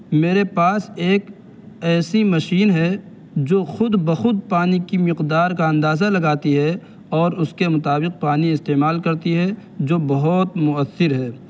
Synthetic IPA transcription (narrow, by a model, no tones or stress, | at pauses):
meːɾepaːseːk | ɛːsimɐʃiːnɦɛ | d͡ʒoːxʊd̪bɐxʊd̪̚paːnikimɪqd̪aːɾkaɐ̃nd̪aːzalɐɡaːt̪iɦɛ | ɔːɾʊskemʊt̪aːbɪq̚paːniɪst̪eːmaːlkɐɾt̪iɦɛd͡ʒoːbɐɦɔːt̪mʊəsːɪɾɦɛː